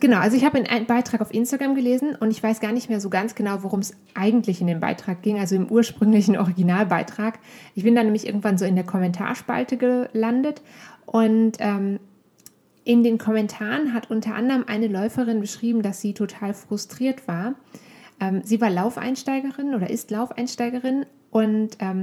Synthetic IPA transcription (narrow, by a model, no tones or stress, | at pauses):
ɡ̥ənaʊʔalzoɪçhaːbaɪnʔa̰ɪnnbaɪtʁ̥aːkaʊfʔɪnstaɡʁamɡəleːzn̩ʔʊntɪçv̥aɪsɡ̥aːɐnɪçtmeːɐzoːɡansɡ̥ənaʊvoʁʊms | ʔaɪɡŋ̩tʰlɪçɪndeːmba̰ɪtʁ̥aːk̚ɡ̥ɪŋʔalzoɪmʔuːɐʃpʁ̥ʏŋlɪçn̩ʔɔ̰ʁiɡinaːlbaɪtʁ̥aːkʔɪçb̥ɪndanɛːmɪçʔɪɐɡŋ̩tv̥anzoːɪndeːɐkʰɔmɛntʰa̰ːɐʃpa̰ltəɡəlandətʔʊntʔɛːm | ʔɪndeːnkʰɔmɛntʰaːʁənɦatʔʊntʰɐʔa̰ndəʁəmʔa̰ɪnəlɔʏfəʁɪnbəʃʁ̥iːbm̩dasz̥iːtʰotʰaːlfʁ̥ʊstʁ̥iːɐtv̥aːɐʔɛːmziːvaːɐlaʊfʔa̰ɪnʃtaɪɡəʁɪnʔoːdɐʔɪstlaʊfʔa̰ɪnʃtaɪɡəʁɪn | ʔʊntʔɛːm